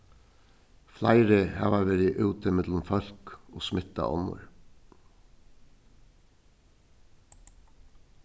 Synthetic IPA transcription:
flæɪɾəhɑ̰ːʋɑːʋeɾɪʔʉːt̪ʰəmɛd̪lʊmfɑlkoːsmɪt̪ɑ̰ʔɔ̰nʊ̰ɹ

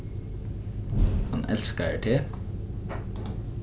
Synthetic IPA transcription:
hɑnʔɛ̰lskəæ̰ːʈʰeː

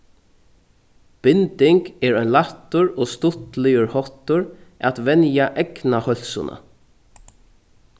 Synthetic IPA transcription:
b̥ɪnt̪ɪŋkɛːɹɔɥnlat̪ːʊɹoːst̪ʊt̪lɪjʊɹhɔht̪ʊɹʔæ̰t̪ʋɛnjaʔɛknahœl̥sʊ̰nʔa̰

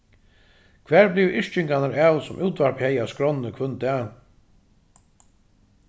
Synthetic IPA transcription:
kʰvæːɹblɪvʔɪʂt͡ʃɪŋkanaɾɛːwsʊmʔuːt̪vaɹphɛjaskɾɔnːəkʰvɵnt̪ɛː

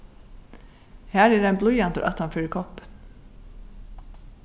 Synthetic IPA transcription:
hæːɾɛːɾajnblʊjant̪ə̰ʔa̰t̪hanfʏːɾɪkʰɔhpə̥n

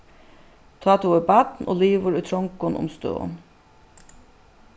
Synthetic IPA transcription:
t̪ʰɑːt̪ʰuːəbɑt̪no̰ːliːʋəɾʉːt̪ʰɾɔŋkʊnʔʊ̰mst̪ø̰ːn

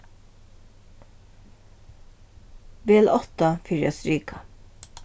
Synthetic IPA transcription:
beːɛlʔɔt̪ɑfʏɹɑ̰sɾyːkʰɑ

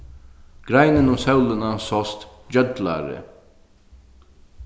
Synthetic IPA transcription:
ɡ̥ɾæɪnənuːsœʉlənɑsɔst̪d͡ʒœd̪læ̰ːɾə̰

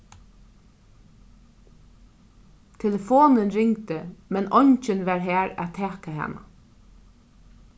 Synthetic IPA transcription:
t̪ʰɛləfoːnənɹɪŋt̪əmɛnɔɲt͡ʃɪnʋæɹɦæːɾæ̰t̪ʰɛːkahɛ̰na̰

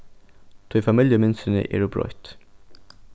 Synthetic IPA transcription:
t̪ʰœfɑmɪljəmɪnsənə̰ʔḛːɖubɹɔ̰ʏt̪

